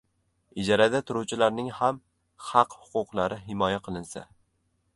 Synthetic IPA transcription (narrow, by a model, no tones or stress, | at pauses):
ɪd͡ʒɒɾad̪at̪ʰʊɾuwt͡ʃʰɪlaɾnɪŋham | hɑqhʊ̥qʰʊqlˠaɾʔɪɦɪmɒjaqʰɨlˠɪnsa̰